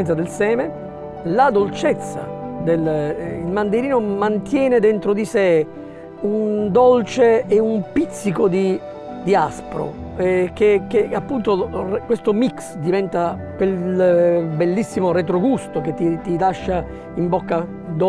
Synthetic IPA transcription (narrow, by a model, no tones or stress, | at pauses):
nt̪sad̪elsɛːme | lad̪olt͡ʃet̪sːa̰d̪elilmand̪eɾiːnomant̪jɛːned̪ent̪ɾod̪ise | und̪olt͡ʃeːumpit̪sːikod̪i | d̪iaspɾo̰ | ɛk̟ekːeapːunt̪orkwest̪omiksd̪ivɛnt̪a | kwel | belːisːimoɾet̪ɾoɡust̪ok̟et̪ːit̪ilaʃːa | imbokːa | d̪o